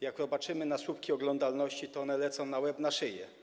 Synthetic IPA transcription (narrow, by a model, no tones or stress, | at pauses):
jakvɔbat͡ʂɘmɘnasupkʲiɔɡlɔnd̪alnɔɕt͡ɕit̪ɔɔnɛlɛt̪sɔ̃w̃nawɛbnaʂɘjɛ̰